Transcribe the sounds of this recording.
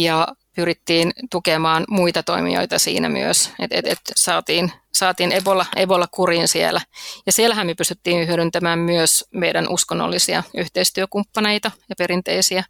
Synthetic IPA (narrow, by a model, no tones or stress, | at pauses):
jɑpyrit̪ːiːnt̪ukemɑːnmuit̪ɑt̪o̞̰imḭo̰it̪ɑsḭːnæ̰my̰øset̪et̪et̪sɑːt̪iːnsɑːt̪iːneʋolːɑeʋolːɑkuriːnsiḛlæjɑsielːæɦæmmyøpyst̪yt̪ːiːnhyøɾynt̪æmæːmmyøsmejdænʔuskonːo̰lːisiɑ̰yht̪eist̪yøkumpːɑne̞jt̪ɑjɑpe̞ɾint̪e̞isiæ